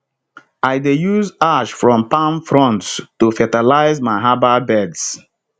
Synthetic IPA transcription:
aɪdejuzaʃfɹɔ̃mpãnfɹɔ̃ntstufɛtalaɪzmaɪɦababɛds

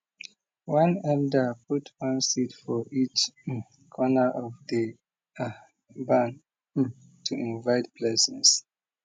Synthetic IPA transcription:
wãnɛldəpʰutʰwãnsitfɔʔit͡ʃ | kʰɔnəʔɔvdə | bãn | tʰuĩnvaɪt̚pʰlɛsə̃ns

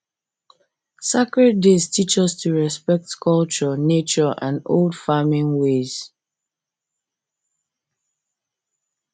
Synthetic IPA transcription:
sakɹed̚destʰit͡ʃɔstʰuɹɛspɛk̚tkʰɔlt͡ʃɔnet͡ʃɔʔã̰no̰ldfamɪ̃nwez̥

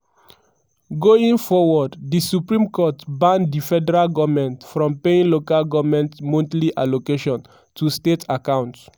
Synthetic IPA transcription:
ɡoĩŋfɔwɔddisupɹĩmkɔtbãndifɛdɛɹalɡɔvmɛ̃ntfɹɔ̃mpeĩnlokalɡɔvmɛ̃ntmõntliʔalokeʃɔ̃n | tʰustetʰakãʊ̃nts

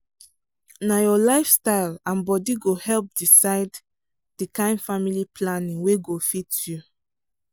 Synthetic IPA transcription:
najɔlaɪfstaɪlãnbɔdiɡohɛlp̚disaɪd | d̥ikãɪ̃nfamiliplanĩŋweɡofitju

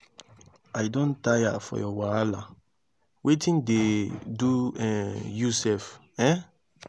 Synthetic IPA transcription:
ajdõntaja̰fɔ̰jɔwaala | wʔetĩndeduɛ̃jusɛf | ɛ̃

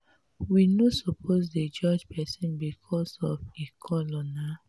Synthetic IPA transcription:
winosopʰozded͡ʒɔd͡ʒpʰɛsɛ̃nbikʰɔsɔfekʰɔlɔna

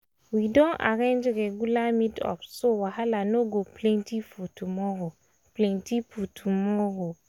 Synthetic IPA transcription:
widɔ̃nʔa̰ɾẽnd͡ʒɾɛɡulamĩtɔ̰fsowahalanoɡoplɛ̃ntifutʰumɔɾo | plɛ̃ntifutʰumɔɾo

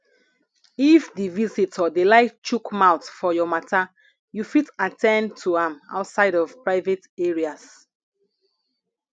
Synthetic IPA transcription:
ifdivisitʰɔdelaɪft͡ʃukmaʊtfɔjɔmata | jufitatʰɛ̃ntʰuãma̰ʊtsaɪɾɔv̥pɹaɪveteɹias

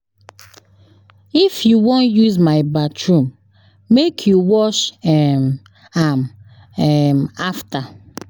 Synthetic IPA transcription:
ifjuwɔ̃njuzmaɪbatʰɹũm | mekʰjuwɔʃɛm | am | ɛmafta

